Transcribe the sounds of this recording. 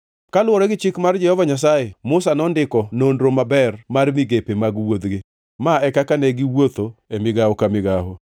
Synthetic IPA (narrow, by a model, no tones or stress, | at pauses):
kalwɔɾɔɡɪt͡ʃɪkmard͡ʒɛhɔvaɲas̬ajemʊsanɔndɪkɔnondɾomabɛrmarmiɡepemaɡwod̪ɡɪ | maɛkakanɛɡɪwot̪oemɪɡawɔkamɪɡaɦo